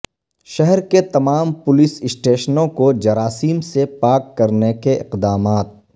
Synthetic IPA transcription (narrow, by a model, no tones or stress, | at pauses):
ʃɛɦɛɾket̪ɐmaːmpʊlɪsɪsʈeːʃnõkod͡ʒɐɾaːsiːmsepaːkːɐɾnekeɪqd̪aːmaːt̪̚